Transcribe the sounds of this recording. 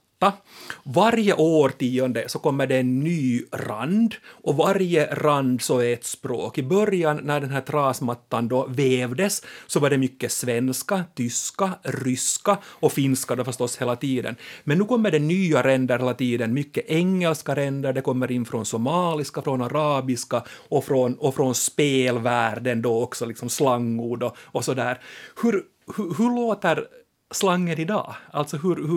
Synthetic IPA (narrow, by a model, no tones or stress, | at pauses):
a | vaɾjəʔoːɾt̪iːɔnd̪əsɔkɔmːəɖɛːnːyːra̰nd̪ʔɔvaɾjəɾand̪sɔɛt̪spɾo̰ːkɪbœɾjanːæɖɛnɦæːt̪ʰɾɑːsmat̪ːand̪ɔveːvd̪əsːɔvɑɖɛmʏkːəsvɛnskat̪ʰʏskarʏskaɔfɪnskad̪ɔfœʂt̪ɔsheːlat̪iːd̪ə̰nmɛnːʉːkɔmːəɖɛnyːaɾɛnd̪əɾheːlat̪iːd̪ənmʏkːəʔɛŋːɛlskaɾɛnd̪əɖɛkɔmːəɾɪnːfɾɔnsɔmɑːlɪskafɾɔnaɾɑːbɪskaɔfɾɔnɔfɾɔnspeːlvæːɖənd̪oɔksɔlɪksɔmslaŋːʊɖɔɔsɔd̪æːɾhɵɾ | hɵɦɵɭoːt̪əɾ | slaŋːənɪd̪ɑ̰ːalt̪sɔɦɵɾh